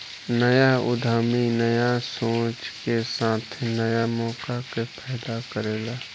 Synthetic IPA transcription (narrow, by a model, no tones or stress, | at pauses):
nəjaʊ̰d̪ʱaːminəjasõːt͡ʃkesãːt̪ʰnəjamɔːkakepʰɛːd̪akəɾeːlaː